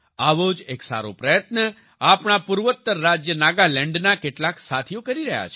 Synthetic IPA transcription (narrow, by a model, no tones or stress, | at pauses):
aʋod͡ʒeksa̰ɾo̰pɾəjət̪nə | apɳapuɾʋət̪ːəɾːad͡ʒjənaɡalɛ̃ɳɖnakeʈlaksat̪ʰijokəɾiɾəɦja̰t͡ʃʰe